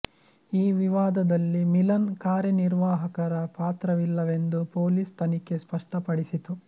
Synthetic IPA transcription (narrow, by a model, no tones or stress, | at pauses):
iːʋiʋaːd̪ɐd̪ɐlːimilɐnkaːɾjɐniɾʋaːɦɐkɐɾɐpaːt̪ɾɐʋilːɐʋe̞nd̪upoːliːst̪ɐnike̞spɐʂʈɐpɐɽisit̪u